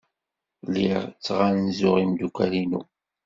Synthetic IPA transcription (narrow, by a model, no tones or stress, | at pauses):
lːiʁt͡sːʁanzʊʁimd̪ukʷæɾinṵ